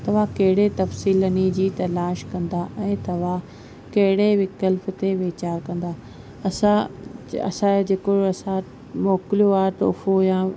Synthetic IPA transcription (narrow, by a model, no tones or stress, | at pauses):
t̪ɐʋ̤ãkɐɦɪɽet̪ɐfsiːlənid͡ʑiːt̪ɐlaːʃkɐ̃nd̪aʔɛ̃ːt̪ɐʋ̤ã | kɐɦɪɽeʋɪkəlf̆t̪eʋeːt͡ɕaːɾkɐ̃nd̪aː | ɐsãɐ̰sãd͡ʑeːkoɐsã | mɔːkɪlijoaːɦt̪o̰ːfojã